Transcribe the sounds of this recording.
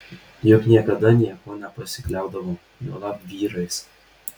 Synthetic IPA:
jʊknʲiɛkɐd̪ɐnʲiɛkoːnʲɛpɐsʲɪklʲæˑʊd̪ɐʋoː | nuɔlˠɑpʋʲiːɾɐɪs

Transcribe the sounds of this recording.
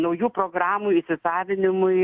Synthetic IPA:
nɐʊjuːpɾoːɡɾɑːmuːjɪʃsʲɪsɑːʋʲɪnʲɪmʊɪ

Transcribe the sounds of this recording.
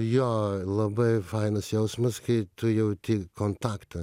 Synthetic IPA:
joːlˠɐbɐɪfɐɪnɐsjɛʊsmɐskɐɪt̪ʊjɛʊt̪ʲiːkont̪ɑːkt̪ɐ

